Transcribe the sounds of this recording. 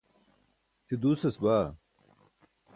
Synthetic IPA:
t̪ʰid̪uːsɐsbaː

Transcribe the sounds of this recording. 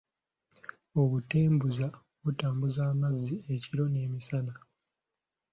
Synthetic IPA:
oβuteːmbuza | βutaːmbuzaːmazːieciɾo̞ne̞ːmisana

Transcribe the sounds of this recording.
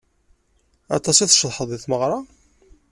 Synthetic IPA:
ɑ̰t̪ˤɑsiθʃðˤħəðˤɪθməʁɾˤɑ

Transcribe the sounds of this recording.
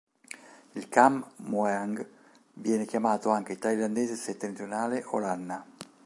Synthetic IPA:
ilkammuɛaŋɡ | vjɛːnekjamaːt̪oaŋk̟et̪ailand̪eːzeset̪ːent̪ɾionaːleʔolanːa

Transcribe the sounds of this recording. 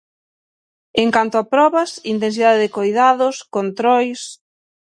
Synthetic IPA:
eŋkant̪ʊapɾɔβɐsint̪̬ens̬iðaðeðɪkojðaðʊskont̪ɾɔjs

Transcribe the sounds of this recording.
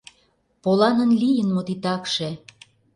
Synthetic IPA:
polɑnə̆nlijənmot̪it̪ɑkʃe

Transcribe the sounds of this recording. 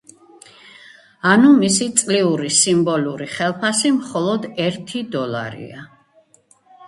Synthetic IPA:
anumisit̪sʼliuɾisimbɔluɾiχɛlˠpʰasimχɔlˠɔd̪ɛɾt̪ʰid̪ɔlˠa̰ɾḭa

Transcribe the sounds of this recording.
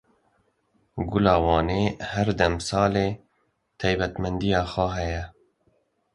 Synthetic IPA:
ɡʊlɑːwɑːneːhæɾd̪ɛmsɑːleː | t̪ʰɛjbɛt̪mɛnd̪ijɑːxwɛɦɛjɛ

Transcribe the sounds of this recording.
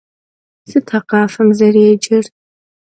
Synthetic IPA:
sɨtʰaqaːfɐmzareːd͡ʒɪrʼ

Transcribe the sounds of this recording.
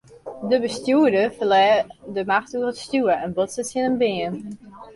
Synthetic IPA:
dəbəstjuədəfəlɛːdəmaxtuərətstjuəɛnbotsətsjɪnəmbɪən

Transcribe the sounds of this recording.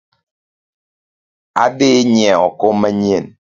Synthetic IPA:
a̰beːɲɛɔkomɛɲen

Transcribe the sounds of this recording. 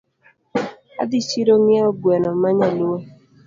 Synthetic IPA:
a̰dɪt͡ʃiɾoŋjaobuenɔmaɲalua

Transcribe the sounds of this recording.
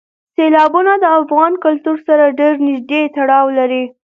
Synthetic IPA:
selɑbunad̪əafɣɑnkʊlt̪uɾsaɾaɖeɾnɪʒd̪et̪aɽɑwlaɾi

